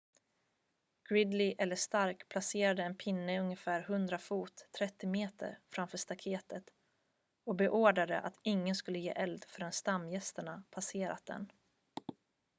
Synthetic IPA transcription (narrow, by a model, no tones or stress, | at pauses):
ɡ̥ɾɪd̪lɪʔɛlːəʂt̪aɾkpʰlaseːɾad̪əɛnpʰɪnːəɵŋjəfæːɾɦɵnd̪ɾafuːt̪ʰːɾɛt̪ːɪmeːt̪ʰə̰ɾfɾamfœːʂt̪akʰeːt̪ət̪ | ɔbɛʔoːɖad̪ə̰ʔa̰t̪ɪŋːənskɵlːəjḛːʔɛld̪fœɖɛnst̪amːjɛst̪əɳapʰaseːɾa̰t̪̚d̪ɛ̰n